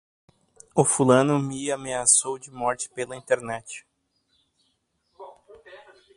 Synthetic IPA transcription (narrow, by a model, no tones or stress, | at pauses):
ʊfulɐ̃nʊmɪameasowd͡ʒɪmɔɾt͡ʃɪ̥pelɐĩnt̪eɾnɛt͡ʃɪ̥